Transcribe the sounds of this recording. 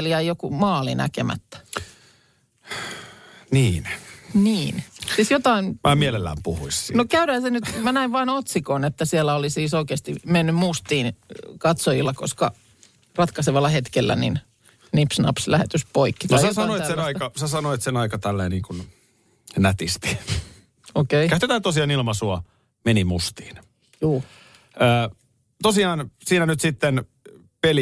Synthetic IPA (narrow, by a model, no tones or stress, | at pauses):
ljæijokumɑːlinæ̰kemæ̰t̪ːæ̥ | niːnniːnsiːsjot̪ɑinmʔæːmielelːæ̰ːmpuhuissinokæyɾæhæsenyt̪mænæiʋʋɑːnot̪sikoːnet̪ːæsielːæolisiːsoikeːst̪imenːymmust̪iːnkɑt̪sojilːɑko̰skɑ | rɑt̪kɑseʋɑlːɑhet̪kelːæ̰nḭn | nipsnɑ̰pslæhḛt̪yspoikːit̪osɑsɑnoisenɑikɑsɑsɑnoit̪senɑikɑt̪ælːeːniːŋkun | næt̪ist̪i̥ | okeikæt̪ːet̪æːt̪osiɑːnilmɑsuɑ | menimust̪i̥ːn | juː | əː | t̪osiɑːnsiːnænyt̪sit̪ːen | peli